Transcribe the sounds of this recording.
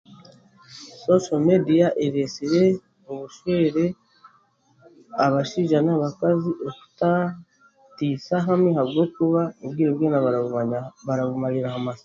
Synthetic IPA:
sosomediaʔeɾesiɾe̞ | oβuʃweɾe̞ | aβaʃiʒanaβakaziʔoku̥ta | tisaɦamihaβɡo̞kuβauβɡiːɾebɡeːna | βaɾaβumaɾiɾahamaz

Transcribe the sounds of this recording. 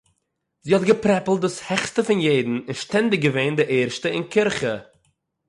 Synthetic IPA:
ziːhɔtɡəpɾɛpl̩ˠt̚dʊshɛχstəfɪnjeɪdn̩ɪnʃtɛndɪɡ̚ɡəveːndɪʔeːɾʃtəɪnkʰɪɾχə

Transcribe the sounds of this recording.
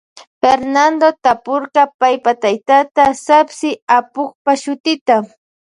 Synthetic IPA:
feɾnand̪ot̪apoɾqɑpajpat̪ajt̪at̪asapsɪapoχpaʃʊt̪ɪt̪a

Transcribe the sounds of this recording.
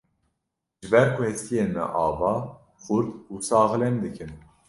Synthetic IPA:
ʒɨbɛɾkʰʊhɛst̪ijeːnmɛ̰ʔɑːvɑː | xuɾd̪usɑːɣlɛnd̪ɨkʰɨn

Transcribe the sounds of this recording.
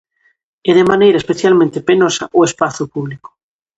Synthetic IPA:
eðemanejɾaespeθjalmẽnt̪epenosa̰ʔoespaθupuβliko̥

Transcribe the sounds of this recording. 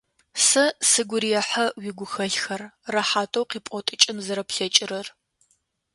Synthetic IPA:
sɐsɨɡʷʊɾijɐħɐwiɡʷʊxɐɬxɐrrɐħaːtʼowqiːpʼɔtʼɨt͡ʃʼɪnzɐɾɐpɬɐt͡ʃʼɪɾɐr

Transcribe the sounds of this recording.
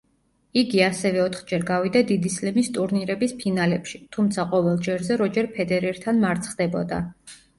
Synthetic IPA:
iɡiasɛvɛɔt̪ʰχd͡ʒɛɾɡavid̪ad̪id̪islɛmist̪ʼuɾniɾɛbispʰinalɛpʃit̪ʰumt̪sʰaqʼɔvɛlˠd͡ʒɛɾzɛɾɔd͡ʒɛɾpʰɛd̪ɛɾɛɾt̪ʰanmaɾt̪sʰχd̪ɛbɔd̪a̰

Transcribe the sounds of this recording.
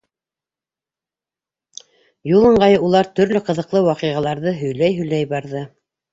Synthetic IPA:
julˠɤ̆ɴɢɑjulˠɑɾt̪ɵ̆ɾlɵqɤ̆ðɤ̆qlˠɤwɑqiʁɑlˠɑɾðɤɦɵ̆jlæjɦɵ̆jlæjbɑɾðɤ

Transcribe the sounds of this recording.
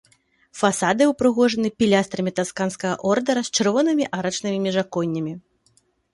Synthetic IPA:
fasad̪ɨupɾɨɣɔʐɐnɨpʲilʲast̪ɾɐmʲit̪askanskɐɣɐ̰ʔɔrd̪ɐɾɐsʲt͡ʂɨrvɔnɨmʲiʔaɾɐt͡ʂnɨmʲimʲiʐakɔnʲːɐmʲi

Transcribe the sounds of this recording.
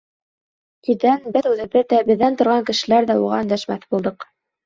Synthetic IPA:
iðænbɘðʉðɘ̆βɘðːæbɘ̆ðːænt̪ŏɾʁɑŋkɘ̆ʃɘ̆læɾðæuʁɑ̰ɵ̆nd̪æʃmæθbulˠd̪ɤq

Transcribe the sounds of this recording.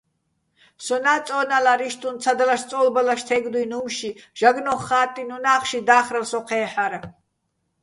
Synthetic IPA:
sɔnaːt͡sʼɔːnalaɾiʃt̪ʼunt͡sʰad̪alaʃt͡sʼɔlbalaʃt̪ʰɛɡd̪ujnumʃiʒ̥aɡnɔχːaːt̪ʼinunaːχʃid̪aːχɾalsɔqʰɛːħaɾa

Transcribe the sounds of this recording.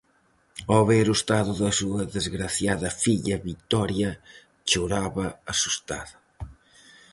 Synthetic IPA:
oβeɾust̪aðʊðɐsuɐðezɣɾaθjaðɐfiʎɐβit̪ɔɾjɐ | t͡ʃoɾaβɐɐsust̪a̰ðɐ

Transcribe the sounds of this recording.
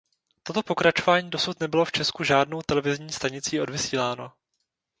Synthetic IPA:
t̪o̞t̪o̞po̞kɾat͡ʃo̞vaːɲiːdo̞sut̪nɛbɪlo̞ft͡ʃɛskuʒaːdno̞wt̪ɛlɛvɪzɲiːst̪aɲɪt͡siːʔo̞dvɪsiːlaːno̞

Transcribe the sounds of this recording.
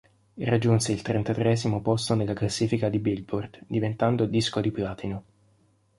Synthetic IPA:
rad͡ʒːunseilt̪ɾent̪at̪ɾeɛzimopost̪onelːaklasːiːfikad̪ibilbord̪d̪ivent̪and̪od̪iskod̪iplaːt̪ʰino

